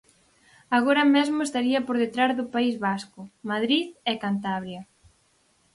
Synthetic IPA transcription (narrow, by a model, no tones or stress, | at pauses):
aɣoɾɐmezmʊest̪aɾiɐpoɾðet̪ɾazðʊpaizβaskʊmaðɾiðɛkant̪aβɾjɐ